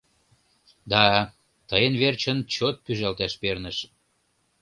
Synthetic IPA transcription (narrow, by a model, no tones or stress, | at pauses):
d̪ɑ | t̪əjənβert͡ɕənt͡ɕot̪̚pyʒɑlt̪æʃpernəʃ